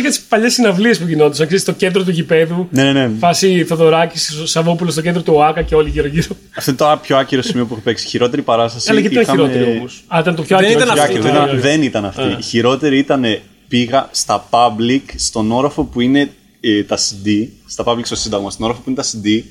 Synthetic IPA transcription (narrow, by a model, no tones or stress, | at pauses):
jɐt̪ispɐʎe̞sinɐvliespuʝino̞t̪is̬ɐksest̪oce̞nd̪ɾot̪uʝipe̞ðunenene̞fɐsiθoðo̞ɾɐcisosɐvopulost̪oced̪ɾot̪uoɐkɐceo̞liʝiɾoʝiɾo | ɐft̪oint̪opço̞ɐciɾo̞simiop̬uexope̞ksi̥çiɾo̞t̪e̞ɾipɐɾɐst̪ɐsɐlɐeiiɐnɐiɾoeɾiomosɐlɐit̪ɐnt̪pçoɐiɾɐnɐoɐɾoiɐðenit̪ɐnɐfiiçiɾo̞t̪e̞ɾiit̪ɐne̞ | piɣɐst̪ɐpɐblikst̪o̞no̞ɾɐfo̞puine̞ | et̪ɐsid̪ist̪ɐpɐblikst̪osind̪ɐɣmɐst̪onoɾɐfopuinet̪ɐsid̪i